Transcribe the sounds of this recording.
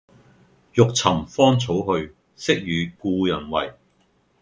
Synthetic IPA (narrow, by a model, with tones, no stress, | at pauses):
jʊ˨k̚t͡sʰɐ˨˩mfɔː˥nt͡sʰo˨˥wɦɵ˧ɥ | sɪ˥k̚jyː˨˧kuː˧jɐ˨˩nwɐ̰˨˩j